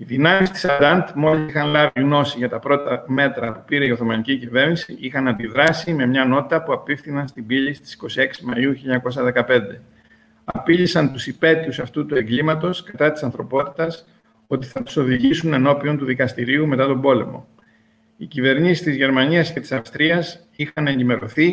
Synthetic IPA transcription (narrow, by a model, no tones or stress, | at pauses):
iðinɐmist̪i̥sɐd̪ɐnd̪mo̞lisixɐnlɐviɣno̞siʝɐt̪ɐpɾo̞t̪ɐme̞t̪ɾɐpu̥piɾeioθo̞mɐnicicive̞ɾnisiʔixɐnɐnd̪iðɾɐsime̞mɲɐno̞t̪i̥t̪ɐpuɐpifθinɐnst̪ibiʎisi̥t̪i̥si̥ko̞sie̞ksimɐiuçiʎɐɐko̞sɐðe̞kɐpe̞nd̪e̞ | ɐpiʎisɐnt̪usipe̞t̪iusɐft̪ut̪ue̞ŋɡlimɐt̪o̞skɐt̪ɐt̪i̥sɐnθɾo̞po̞t̪i̥t̪ɐs | o̞t̪iθɐt̪u̥so̞ðiʝisune̞no̞piont̪uðikɐst̪iɾiume̞t̪ɐt̪o̞bo̞lḛmo̞̰ | icive̞ɾɲisist̪izʝe̞ɾmɐniɐsce̞t̪i̥sɐfst̪ɾiɐs | ixɐne̞ɲɟime̞ɾo̞θi